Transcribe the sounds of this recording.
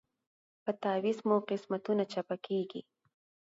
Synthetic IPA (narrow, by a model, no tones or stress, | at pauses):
pat̪aːwɪsmʊqɪsmat̪ʊnat͡ʃapakijkɪ̰